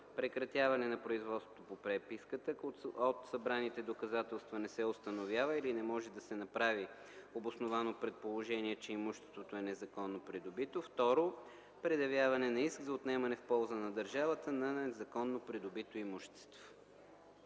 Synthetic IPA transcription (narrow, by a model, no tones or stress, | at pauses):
pɾɛkɾɐt̪ʲjavɐnɛnɐpɾoizvɔt̪st̪o̥t̪opopɾɛpiskət̪əot̪sɐbɾanit̪ɛd̪okɐzat̪ɛlˠst̪vɐnɛsɛost̪ɐnovʲjavəilinɛmɔʒɛd̪ɐsɛnɐpɾavi | obosnovanopɾɛt̪̚polˠoʒɛniɛt͡ʃɛimuʃt̪ɛ̥st̪vot̪oɛnɛzɐkɔnːopɾid̪obit̪oft̪ɔɾo | pɾɛd̪ɐvʲjavɐnɛnɐisɡzɐot̪nɛmɐnɛfpɔlˠzənɐd̪ɐɾʒavət̪ənɐzɐkɔnːopɾid̪obit̪oimuʃɛ̥t̪st̪vo̥